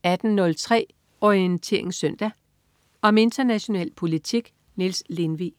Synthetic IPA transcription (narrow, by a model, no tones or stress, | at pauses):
æd̥n̩nɔ̽lt͡sʰʁɛ̰ː | ɒient͡sʰe̝ɐeŋsœn̰d̥æ | ɒ̽me̝nd̥ɐnæɕo̝nɛ̰ːlpʰo̝lit͡sʰiɡ̥ | nilsle̝nʋiː